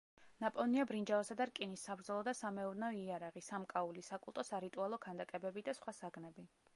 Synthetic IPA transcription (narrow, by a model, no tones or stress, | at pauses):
napʼɔniabɾind͡ʒavasad̪aɾkʼinisːabɾd̪zɛlˠɔd̪asamɛuɾnɛɔiaɾaʁisamkʼaulisakʼulˠt̪ʼɔsaɾit̪ʼualˠɔkʰand̪akʼɛbɛbid̪asχwasaɡnɛbi